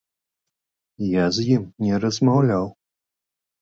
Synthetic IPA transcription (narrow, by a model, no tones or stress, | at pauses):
jazjimnʲɛɾɐzmawlʲaw